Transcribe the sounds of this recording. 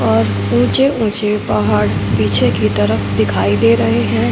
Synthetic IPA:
ɔːɾ | ũːt͡ʃeũːt͡ʃepaɦaːɽpiːt͡ʃʰekit̪ɐɾəfʰd̪ɪkʰaːid̪eːɾɐɦeɦɛ̃ː

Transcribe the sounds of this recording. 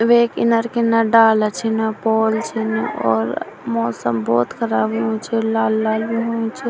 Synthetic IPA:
ʋekinəɾkenəɖalət͡ʃʰinəpɔːlt͡ʃʰinɔ̰ːɾmɔːsə̰mbɔːt̪kʰəɾaːbɦũt͡ʃʰilalːaːlbiɦuĩt͡ʃʰi

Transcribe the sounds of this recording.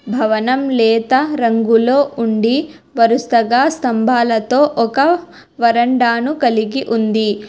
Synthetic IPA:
bʱɐʋɐnɐmlɛːt̪ɐɾɐŋɡuloːʔuɳɖi | ʋɐɾust̪ɐɡaːst̪ɐmbʱaːlɐt̪o̞ːʔɔkɐ | ʋɐɾɐɳɖaːnukɐliɡiʔund̪i

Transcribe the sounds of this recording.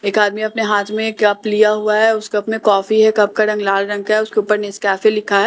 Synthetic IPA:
eːkaːd̪̚mĩɐpneɦaːt̪ʰmẽkɐplijaɦuaɦɛʊskɐpmẽkɔːfiɦɛkɐp̚kaɾɐ̃ŋɡlaːlɾɐ̃ŋɡ̚kaɛʊskeuːpəɾneskaːfelɪkʰaɦɛː

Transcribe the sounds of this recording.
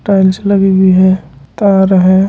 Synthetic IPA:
ʈaːɪlsləɡiɡʱiɦɛ̃t̪aɾəɦɛ̃

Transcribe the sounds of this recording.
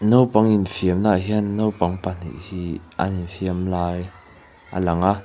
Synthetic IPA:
nowpɐŋinfiəmnaʔɦinːowpɐŋpan̥ḭʔhiʔa̰ninfiəmlaːj | ʔə̰lɐŋa

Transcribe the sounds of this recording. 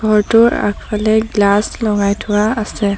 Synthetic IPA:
ɡʱɔɹtʊɹa̰k̚ʰpʰalɛɡlaslɔŋajtʰʊwaːsɛ

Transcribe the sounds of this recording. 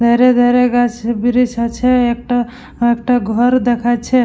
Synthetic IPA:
d̪ʱeɾed̪ʱeɾeɡat͡ʃʰebiɾisat͡ʃʰɛek̚ʈa | ek̚ʈaɡʱəɾd̪ekʰat͡ʃʰɛ

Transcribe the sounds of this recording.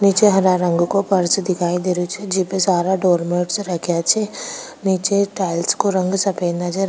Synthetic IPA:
niːt͡ʃeɦɐɾaɾə̃ŋɡkopɐɾsd̪ɪkʰaːid̪eːɾut͡ʃʰed͡ʒipesaːɾaɖoːɾmeːʈsɾɐkʰjat͡ʃʰe | niːt͡ʃeʈaːɪlskoɾɐ̃ŋɡsɐpẽːnd̪at͡ʃʰe

